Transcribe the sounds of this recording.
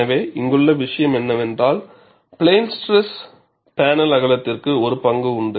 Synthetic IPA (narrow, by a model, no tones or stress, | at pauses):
ɐʋeːʔɪŋɡɯɭːɐʋɪʂɐjɐmɛnːɐʋɛndraːl | pɪɭeːnsʈɾɛs | paːnɐlɐɣɐɭɐt̪ːɪrkɯɔɾɯpɐŋɡɯʊɳɖɯ